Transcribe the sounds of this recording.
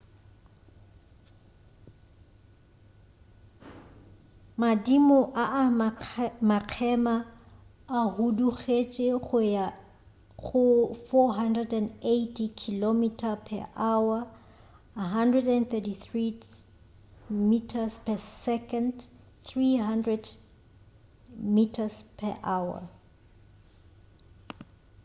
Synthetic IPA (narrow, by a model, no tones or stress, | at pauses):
madimɔʔaʔa | maq͡χʰɛmaː | huduɣet͡ʃʼeɣʊja | ɣʊfɔɦandɛdɛnetʰikʰilomitʰapʰɛ̰ʔawa | aɦandrɛdɛnθɛtiθri | mitʰaspʰɛsɛkʰand | θriɦandrɛd | mitʰaspʰɛ̰ʔaːwa̰